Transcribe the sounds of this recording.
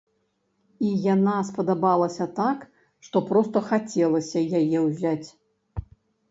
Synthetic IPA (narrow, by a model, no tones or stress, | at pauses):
ijanaspɐd̪abalˠɐsʲɐt̪ak | ʂt̪ɔpɾɔst̪ɐxat͡sʲɛlˠɐsʲɐjajɛwzʲat͡sʲ